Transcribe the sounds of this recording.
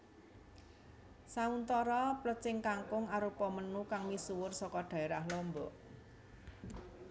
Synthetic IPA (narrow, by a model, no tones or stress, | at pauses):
saunt̪ɔɾɔplət͡ʃɪŋkaŋkʊŋaɾupɔmənukaŋmisuwʊrsɔkɔɖ̥a̤eɾahlɔmbɔ̰ʔ